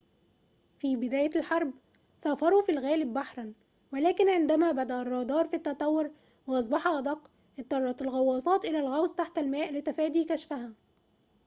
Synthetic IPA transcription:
fiːbɪd̪æːjælħɑɾˤb | sɑːfɑɾˤuːfilɣæːlɪbːaħɾˤɑn | wælæːkɪnʕɪnd̪æmæːbæd̪æʔærˤːɑːd̪ɑːɾˤfit̪ːæt̪ˤɑwːʊɾ | wɑʔɑs̬ˤbɑħɑʔɑd̪ˤɑqː | ʔɪt̪ːˤɑrˤːɑt̪ɪlɣɑwːɑːsˤɑːt̪ʔɪlælɣæwzt̪aħt̪ælmæːʔlɪt̪æfæːd̪iːkæʃfæɦæ

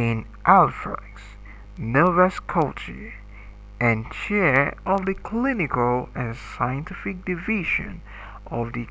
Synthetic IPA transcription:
ɪ̃n | ʔælˠfɹə̰ks | nɔvɛskʰʌlˠt͡ʃə̰˞ | ɨ̃nt͡ʃʰɛɹʌvðɨkʰl̥ɪ̃nɨkl̩ˠɨ̃nsaɪɨ̃ntʰɪfɨk̚d̥ɨvɪʒɨ̰̃n | ʔʌvðɨ

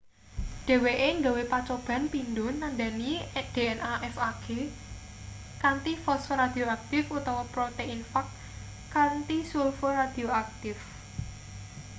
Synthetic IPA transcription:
d̥e̤weʔeŋɡawepat͡ʃob̥ä̤npind̪ʊ̤nːand̪anid̪̥e̤ɛnʔaʔɛfaɡ̥e | kant̪ifɔsfoɾad̪̥i̤oak̚t̪ɪfut̪awɔpɾot̪einfakː | ant̪isulfoɾad̪̥i̤oak̚t̪ɪf

